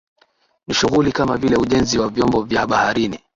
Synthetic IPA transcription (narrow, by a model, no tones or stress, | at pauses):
niʃuɣulikamavilɛuʄɛnziwavjɔmbɔvjaɓahaɾini